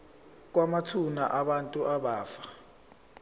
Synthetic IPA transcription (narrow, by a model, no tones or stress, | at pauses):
k̬wamatʰunaʔaɓantʼuʔaɓaːfḁ